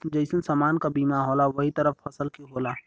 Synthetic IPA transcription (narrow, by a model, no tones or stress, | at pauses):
d͡ʒɐɪsũnsaːmaːnkabiːmaːɦɔːlaʋɐɦit̪əɾəfːɐsəlkiɦoːlaː